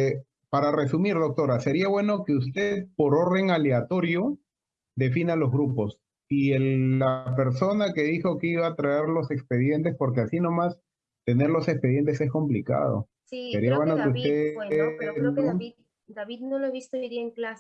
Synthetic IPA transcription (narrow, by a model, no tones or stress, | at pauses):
paɾare̞sumiɾðo̞k̚t̪o̞ɾase̞ɾiaβwe̞no̞keust̪e̞ðpo̞ɾo̞ɾðe̞ŋaleat̪o̞ɾjo̞ | d̪e̞finalo̞zɣɾupo̞s | ielːape̞ɾso̞nake̞ðixo̞keiβat̪ɾaeɾlo̞se̞kspe̞ðje̞nt̪e̞spo̞ɾkeasino̞mas | t̪e̞ne̞ɾlo̞se̞kspe̞ðje̞nt̪esesko̞mplika̰ðo̰ | sse̞ɾiaβwenokeust̪e | no | d̪aβid̪noloeβist̪oiðiaeŋklas